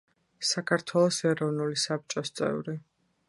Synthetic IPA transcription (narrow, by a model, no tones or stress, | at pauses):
sakʰaɾt̪ʰwɛlˠɔsɛɾɔvnulisap̚t͡ʃʼɔst̪sʼɛ̰vɾi